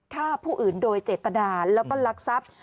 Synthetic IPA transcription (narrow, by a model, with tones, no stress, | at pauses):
k̪ʰaː˥˩pʰuː˥˩ʔɯː˨˩ndoː˧jt͡ɕeː˨˩t̪ːa˧naː˧lɛː˦˥wkɔː˥˩la˦˥k̚sa˦˥p̚